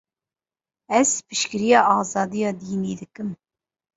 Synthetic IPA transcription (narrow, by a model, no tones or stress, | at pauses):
ɛspʰiʃkʲiɾijɑʔɑːzɑːd̪ijɑd̪iːniːd̪ɪkim